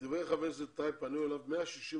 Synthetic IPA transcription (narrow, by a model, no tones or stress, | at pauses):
d̪iveχavezet̪aɪpːanujɛlavmeaʃiʃi